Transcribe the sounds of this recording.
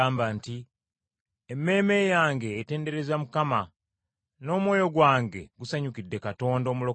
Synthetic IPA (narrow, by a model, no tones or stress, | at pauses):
aːmbanti | emːe̞ːme̞jaːŋɡe̞ːte̞ːnde̞ɾe̞zamukama | no̞ːmwo̞ːjo̞ɡwaːŋɡe̞̰ɡusaɲukidːe̞kato̞ːndo̞ːmulo̞